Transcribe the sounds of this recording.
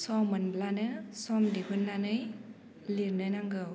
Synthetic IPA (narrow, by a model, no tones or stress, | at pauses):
sɔmɯnblanɯsɔmdikʰɯnːanɯj | liɾnɯnaŋɡɯw